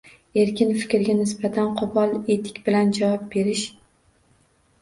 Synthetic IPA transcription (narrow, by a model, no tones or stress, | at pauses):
e̞ɾkʲɪnfɪ̥kʲɾɪɡʲanɪsbat̪ʰanqʰʊbɒlˠe̞t̪ʰɪ̥kʲbɪland͡ʒavɒp̚be̞ɾɪʃ